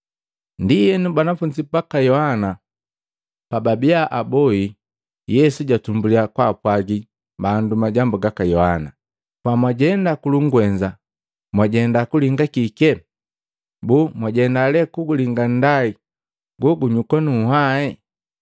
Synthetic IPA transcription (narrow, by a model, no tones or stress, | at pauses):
ndijɛnubwanafuɲd͡ʒipakajɔhana | pababiaʔabɔhi | jɛsuɟatumbuliakwapwaɡi | bandumaɟambuɡakajɔhana | pwamwaɟɛndakuluŋɡwɛɲd͡ʒa | mwaɟɛndakuliŋɡakikɛ | bumwaɟɛndalɛkuɡuliŋɡan̩dai | ɡɔɡuɲukwanuhaɛ